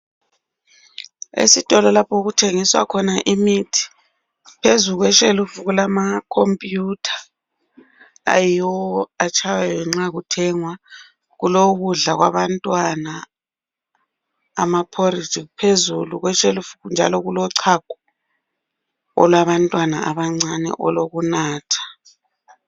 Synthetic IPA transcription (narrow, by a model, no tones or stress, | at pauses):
ḛsitʼɔlɔlapʰɔɣutʰeŋiswa̰kʰɔnaʔimitʰi̥ | pʰezuɣwɛʃelufuɣulamakʰompʼjutʰḁ | a̰jijɔat͡ʃʰʼawaɛŋ͡ǁaɣutʰɛŋwa | ɣuloɣuɮaɣwa̰βantʼwana | mapʰorid͡ʒʱʼiupʰezuluɣwɛʃelufuɣnd͡ʒʱa̰lɔɣulɔǀʰaɡ̥ʱɔ | ɔ̰lwaβantʼwana̰ʔaβaŋ͡ǀanɛ̰ʔɔloɣunaːtʰḁ